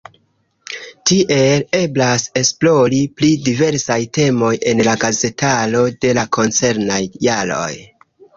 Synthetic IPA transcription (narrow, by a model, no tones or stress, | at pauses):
tiʔe̞le̞blase̞splo̞ɾiplidive̞ɾsajte̞mo̞je̞nlaɡaze̞talo̞de̞lakʰo̞nt͡se̞ɾnajːalo̞̰j